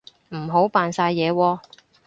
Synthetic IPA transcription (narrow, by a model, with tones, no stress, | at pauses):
m̩˨˩ɦo˨˥wpaː˨nsaː˧jːɛː˨˧wɔː˧